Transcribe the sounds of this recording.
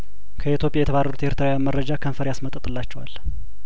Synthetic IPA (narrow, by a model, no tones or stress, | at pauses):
kʰəit̪ʰjopʼjajɛt̪ʰəβarːəɾut̪ʰeheɾt̪ʰɨɾawjanmərəd͡ʒakʰənfəɾjasmət̪ʼət̪ʼɨlːat͡ʃːɛwa̰lː